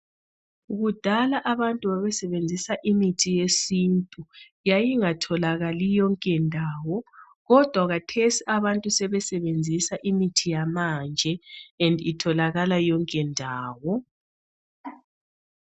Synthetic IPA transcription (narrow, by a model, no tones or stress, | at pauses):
uɣud̥ʱalaʔaβantʼuβaβɛsɛβend͡zʱisaʔimitʰijesintʼu | jajiŋatʰɔlaɣalijɔŋkʼɛndʱaːwɔ | ɣɔd̥ʱwaɣatʰesiʔaβantʼusɛβɛsɛβend͡zʱisaʔimitʰijamand͡ʒʱɛɛnditʰɔlaɣalajɔŋkʼɛndʱaːwɔ